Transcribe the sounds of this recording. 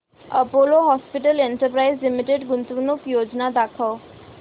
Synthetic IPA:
ɐ̰poːloɦɔːspiʈəleɳʈəɾpɾaɪzlimiʈeɖɡʊnt̪uʋnukjoːd͡ʒnad̪aːkʰə

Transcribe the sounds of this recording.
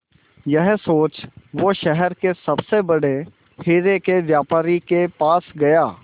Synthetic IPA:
jɐɦsoːt͡ʃʋoʃɛɦɛɾkesɐbsebɐɽe | heːɾekeʋjaːpaːɾikepaːsɡɐjaː

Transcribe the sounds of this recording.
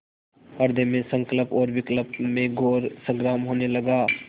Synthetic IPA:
ɐɾd̪ʱemẽsə̃ŋkləpɔːɾʋɪkləpmẽɡʱoːɾsə̃ŋɡɾaːmɦoːnelɐɡaː

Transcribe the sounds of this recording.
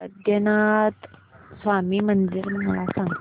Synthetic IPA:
əd̪ʱjənat̪sʋamiːmənd͡ziɾməlasãŋ

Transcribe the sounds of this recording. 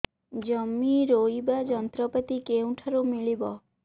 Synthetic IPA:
d͡ʒɔmːiɾoibad͡ʒɔnt̪ɾɔpɔt̪ikeũʈʰaɾumiɭibɔ

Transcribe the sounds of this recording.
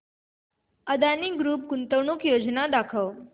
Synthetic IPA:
əd̪aniɡɾuːp̚kunt̪əwɳukjod͡ʒnad̪akʰəʋ

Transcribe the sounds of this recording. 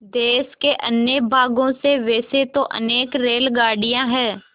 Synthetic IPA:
d̪eːskeʔə̰njəbʱaːɡõseʋeːset̪oʔə̰neːkɾeːlɡaːɽijãɦɛː

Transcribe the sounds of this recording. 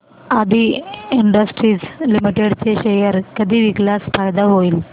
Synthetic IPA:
ad̪ʱiːiɳɖəsʈɾiːd͡zlimiʈeɽt͡seɕejəɾkəd̪ʱiːʋikljasfajd̪aɦoiːl

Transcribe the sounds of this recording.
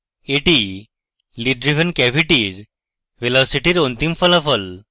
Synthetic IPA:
eʈi | liɖɾiʋənkɛʋʱiʈiːɾ | ʋelɔsiʈiɾont̪imfələfəl

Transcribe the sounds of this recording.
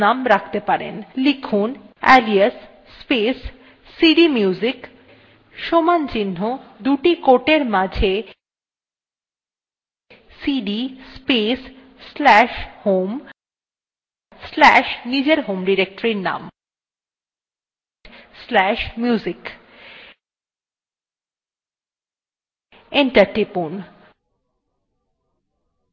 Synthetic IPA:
amɾakʰt̪epaɾḛnlikʰun | ɛlias | sːpesː | iɖimuːzik | ʃomant͡ɕinɦod̪uʈikoʈeɾmad͡ʑʱe | siɖispes | sːlɛʃhom | slɛʃnid͡ʑeɾɦomɖiɾek̚ʈoɾiɾna̰m | slɛʃmjuzik | iɳʈaɾʈipun

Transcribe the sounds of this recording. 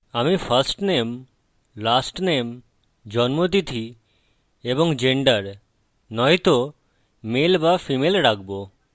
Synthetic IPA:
amifaɾsʈnem | lasʈnem | d͡ʑɔnmot̪it̪ʰi | eboŋd͡ʑeɳɖəɾ | nɔjt̪o | melbafimelɾak̚bo

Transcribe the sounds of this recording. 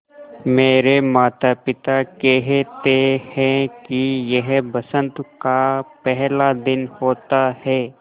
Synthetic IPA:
meːɾemaːt̪apɪt̪akɛɦt̪ehɛ̃kijɐɦbɐsə̃nt̪kapɛɦlad̪ɪnhoːt̪ahɛː

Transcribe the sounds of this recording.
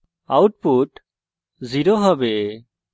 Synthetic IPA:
awʈ̚puʈ | ziɾoɦɔbe

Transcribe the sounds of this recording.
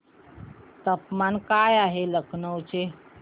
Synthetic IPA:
t̪əpmankajaɦeləkʰnəwt͡ʃʰe

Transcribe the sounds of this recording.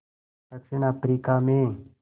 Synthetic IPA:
t̪ɐksɪnapɾiːkaːmẽː

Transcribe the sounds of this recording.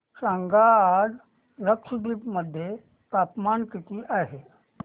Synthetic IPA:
sãŋɡaːd͡z | ɾəkʂd̪ipməd̪ʱːje | t̪apmankit̪iʔaːɦe

